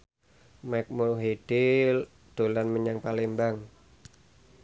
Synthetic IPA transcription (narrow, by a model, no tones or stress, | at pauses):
majk̚muɾɦid̥ɪl | d̪̥o̤lanməɲaŋpalembaŋ